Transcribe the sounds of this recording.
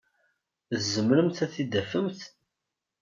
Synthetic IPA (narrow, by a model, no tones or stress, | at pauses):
ðzːəmɾəmθæθid̪æfəmθ